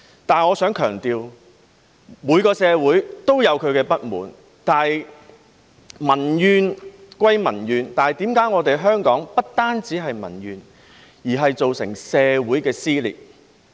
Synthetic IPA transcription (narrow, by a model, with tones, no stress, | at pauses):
t̪aː˨nŋɔː˨˧sœː˨˥ŋkʰœː˨˩ŋt̪iː˨w | muː˨˧jkɔː˧sɛː˨˧wuː˨˥jt̪o˥wjɐ˨˧wkʰɵ˨˧ɥkɛː˧pɐ˥t̚mṵː˨n | t̪aː˨ | mɐ˨˩njyː˨˧nkʷwɐ˧jmɐ˨˩njyː˨˧nt̪aː˨jt̪iː˨˥mkaː˨˥jŋɔː˨˧t̪e˨jɦœː˥ŋkɔː˨˥ŋpɐ˥t̚t̪aː˥nt͡siː˨˥ɦɐ˨jmɐ̰˨˩njyː˨n | jiː˨˩ɦɐ˨jt͡so˨wsɪ̰˨˩ŋsɛː˨˧wuː˨˥jkɛː˧siː˥lḭː˨˩t̚